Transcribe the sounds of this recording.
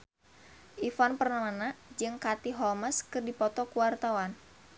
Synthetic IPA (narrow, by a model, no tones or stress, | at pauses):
ʔifɔnpərnamanad͡ʒɨŋkat̪iɦɔlməskɨrdipɔt̪ɔkuwart̪awan